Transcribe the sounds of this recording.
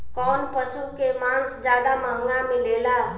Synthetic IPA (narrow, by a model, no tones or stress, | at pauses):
kɔːnpəsukemãːnsd͡ʒjaːd̪aməŋɡamẽleːlaː